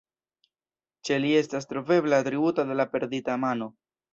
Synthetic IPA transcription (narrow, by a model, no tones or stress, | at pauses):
t͡ʃe̞lie̞stas̬tɾo̞ve̞blatɾiutade̞lape̞ɾditamano̞